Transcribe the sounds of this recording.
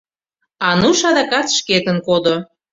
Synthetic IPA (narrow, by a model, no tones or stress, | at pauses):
ɑnuʃɑd̪ɑkɑt̪ʃket̪ənkod̪o